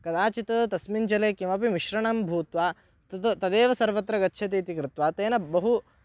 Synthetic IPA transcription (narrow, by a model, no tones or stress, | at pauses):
kɐd̪aːt͡ʃit̪ɐt̪ɐsmind͡ʒɐleːkimɐpimiʃɾɐɳɐmbʱuːt̪ʋaː | t̪t̪ɐd̪eːʋɐsɐɾʋɐt̪ɾɐɡɐtːʃʰɐt̪iːt̪ikɾɪt̪ʋaːt̪eːnɐbɐɦu